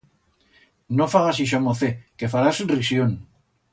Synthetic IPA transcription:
nofaɣasiʃ̬amoθekefaɾasurisjon

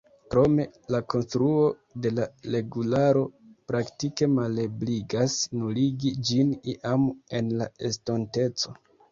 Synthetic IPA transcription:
kɾo̞me̞lakʰo̞nstɾuo̞ | de̞laɾe̞ɡulaɾo̞pɾaktike̞malebliɡasnuliɡid͡ʒiniʔame̞nlae̞stonte̞t͡so̞

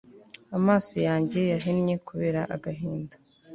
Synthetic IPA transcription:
amaːso̞jaːɲɟe̞jaɦinɲe̞kuβe̞ːɾaʔaɡaɦiːnda

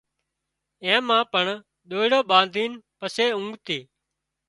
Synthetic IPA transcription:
ɛ̃ːmãːpəɳ | ɗ̪oːɪɽoːɓãːnd̪ʱiːnpəseːʊ̃ŋɡt̪eː

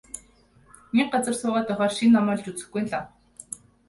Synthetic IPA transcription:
nik̚ɢat͡sə̆rsʊːʁaːt̪ʊχʲaːrʃinːamɔːɮt͡ɕut͡sɘ̆xɡujnɮa

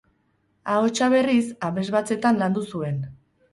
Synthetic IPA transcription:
ao̞t͡ʃaβ̞e̞risaβe̞zβat͡se̞t̪anland̪usue̞n

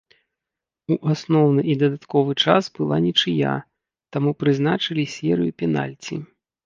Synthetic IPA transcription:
uʔasnɔwnɨʔid̪ɐd̪at̪kɔvɨt͡ʂasbɨlˠanʲit͡ʂɨja̰ | t̪amupɾɨznat͡ʂɨlʲisʲɛɾɨjupʲɛna̰lʲt͡sʲi

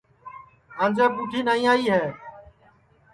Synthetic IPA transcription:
ãːnd͡ʒəːpuːʈʰiːnaːĩːaːiːɦɛː

